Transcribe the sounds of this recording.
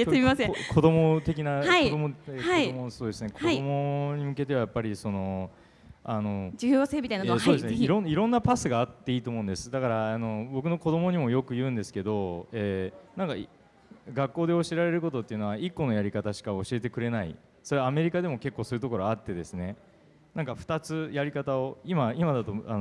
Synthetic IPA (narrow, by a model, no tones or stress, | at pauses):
eoeimasẽkʰo̞d̪o̞mo̞t̪e̞k̬ʲinaaid̪omoeaiomoso̞ːd̪e̞sɨne̞kʰodaomo̞ɲ̟imɯ̟ke̞t̪e̞βajapːaɾʲiso̞no̞ | ano̞d͡ʑijɯːβaseːmʲit̪ainaesoːd̪esneiɾõniɾõ̞nːapasɨɡaːt̪ːe̞iːt̪oːmo̞ɯ̟̃nd̪e̞sɨ̥d̪akaɾaːno̞bo̞k̬ɯ̟no̞ko̞d̪o̞mo̞ɲ̟imo̞jo̞kɯ̟jɯ̟̃ːnd̪e̞sɨ̥ke̞d̪o̞eːnãŋka | ɡakːo̞ːd̪e̞o̞ɕieɾaɾe̞ɾɯ̟ko̞t̪o̞t̪ːeiɯ̟noaikːo̞no̞jaɾʲikat̪aɕi̥kaoɕie̞t̪e̞kɯ̟ɾe̞naḭ | so̞ɾe̞aːme̞ɾʲikad̪e̞mo̞ke̞kːoːso̞ɯ̟t̪o̞ko̞ɾoat̪ːe̞d̪e̞sɨne̞ | nãŋkaɸɯ̟̥t̪at͡sɨjaɾʲikat̪ao̞imaimad̪at̪o̞an